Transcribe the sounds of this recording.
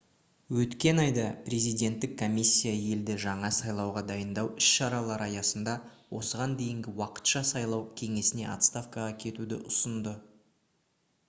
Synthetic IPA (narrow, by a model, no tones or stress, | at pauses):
wɵt̪kʲe̞nɑjd̪ɑpre̞zijd̪e̞nt̪ːɪkʰːo̞mʲisʲːijaje̞ld̪ɪʒɑɴɑsɑjlˠɑwʁɑd̪ɑjənd̪ɑwɪʃʃɑɾɑlˠɑɾɑjɑsənd̪ɑwo̞səʁɑnd̪e̞jɪŋɡʲɪwɑqə̥t̪ʃɑsɑjlˠɑwkʲʰe̞ŋe̞sɪne̞̰ʔɑ̰t̪st̪afkɑʁɑkʲʰe̞t̪ud̪ɪ̰ʔʊsənd̪ə